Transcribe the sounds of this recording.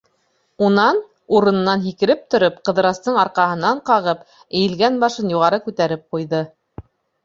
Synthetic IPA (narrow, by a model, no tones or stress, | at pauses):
unɑn | uɾɤ̆nɤ̆nːɑnɦikɘ̆ɾɘp̚t̪ŏɾopqɤ̆ðɤ̆ɾɑst̪ɤɴɑɾqɑɦɤ̆nɑɴqɑʁɤp | ɘ̆jɘ̆lɡænbɑʃɤnjuʁɑɾɤkʉt̪æɾɘp̚qujðɤ